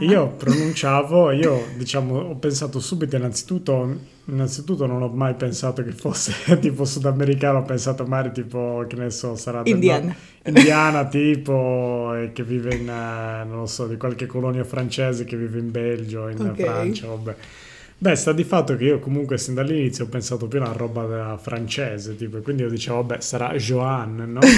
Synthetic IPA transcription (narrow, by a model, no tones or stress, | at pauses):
iːopɾonunt͡ʃaːvoiːod̪it͡ʃaːmoɔpːensaːt̪osuːbit̪oinːant̪si̥t̪ut̪ːo | inːant̪sit̪ut̪ːononɔmːajpensaːt̪okefosːet̪iːposud̪ameɾikaːnoɔpːensaːt̪omaɡaːɾit̪iːpokenesɔsaɾad̪end̪an | ind̪jaːnat̪iːpoekːevːiːveinnõnlːosɔd̪ikwalkekːolɔnjafɾant͡ʃɛːzekeviːveimbeld͡ʒoinfɾant͡ʃaabɛ | bɛst̪ad̪ifat̪ːokeiːokomuŋkwesind̪alːinit̪sːjoɔpːensaːt̪op̬juarɔbad̪afɾant͡ʃɛːzet̪iːpoekwind̪iiod̪it͡ʃɛːvoabːɛsaɾa̰ʒoanːnɔ